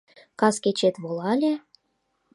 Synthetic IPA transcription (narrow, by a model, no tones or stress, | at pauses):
kɑsket͡ɕet̪βolɑlʲe